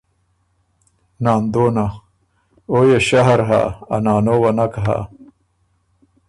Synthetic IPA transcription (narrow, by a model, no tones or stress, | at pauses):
naːnd̪oːna | oːjeɕɐɦɐɾɦa̰ɐnaːnowɐnakɦa̰